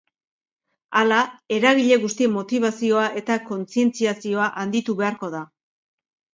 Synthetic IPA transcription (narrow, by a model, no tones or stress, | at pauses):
alae̞ɾaɣ̞iʎe̞ɣust̪iemo̞t̪iβ̞asio̞aʔe̞t̪ako̞nt͡sie̞nt͡siasio̞aʔand̪it̪uβe̞aɾko̞ða